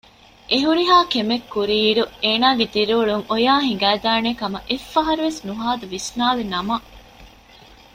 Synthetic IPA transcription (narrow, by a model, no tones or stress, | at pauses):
ʔeɦuɾiɦaːkemekːuɾiːɖueːnaːɡet̪iɾuːɭuŋojaːɦiŋ̆ɡæːd̪aːnekɐmɐʔefːɐɦɐɾuʋesnuɦaːd̪uʋisnaːlenɐmɐ